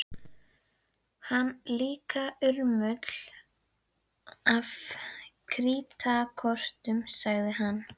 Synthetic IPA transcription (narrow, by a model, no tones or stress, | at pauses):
hanːliːkaʏɾmʏt̪l̥ | avkʰɾiːt̪akʰɔr̥t̪ʏmsaɣðɪɦanː